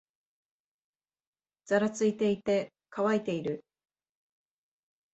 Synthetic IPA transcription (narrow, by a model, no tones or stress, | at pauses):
d͡z̥aɾat͡sɨit̪e̞it̪e̞ | kʰaβait̪e̞iɾɯ̟